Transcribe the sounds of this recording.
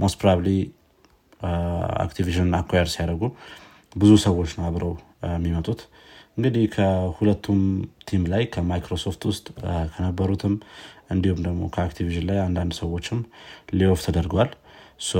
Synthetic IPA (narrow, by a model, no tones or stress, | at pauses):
mospɾaβli | a̰kt̪ʰiviʃɨnnakʰʷːajɛɾsijaɾəɡu | bɨzusəwːo̞t͡ʃːnaβɾəw | mːimət̪ʼut̪ | ʔɨŋɡɨd̪ihkʰəhulət̪ʰːumt̪ʰimlajkʰəmajkɾo̞so̞ft̪wʊst̪ʼkʰənəbːəɾut̪ʰɨmʔɨnd̪ihumd̪əɡmo̞̰kʰəakt̪ʰiviʃɨnlajand̪and̪səwːo̞t͡ʃːɪmlioft̪ʰəd̪əɾɡəwals